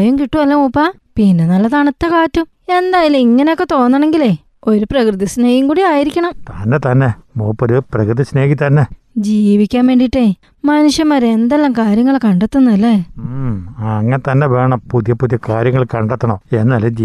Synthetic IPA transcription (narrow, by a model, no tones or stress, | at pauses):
jumkiʈːuʋɐlːɐmoːpːa | pinːenɐlːɐt̪ɐɳɐt̪ːɐkaːtːum | e̞nd̪aːjalumiŋːɐnejo̞kːe̞t̪o̞ːnːaːɳe̞ŋɡile | o̞ɾuprɐkrɨðisne̞ːɣiŋkuːɽiaːjiɾikʲːɐɳɐmt̪anːet̪ɐnːe̞moːpːoɾuprɐkrɨðisne̞ːɣit̪ɐnːe | d͡ʑiːʋikʲːaːnʋe̞ːɳɖiʈːe | mɐnuʂjɐmːɐɾeend̪elːaːmkaːɾjɐŋːɐɭkɐɳɖet̪ːunːuɐlːe | ɐŋːɐnet̪ɐnːeʋe̞ːɳɐmpuðijɐpuðjɐkaːɾjɐŋːɐɭkɐɳɖet̪ːɐɳoːenːɨːɐlːɐiː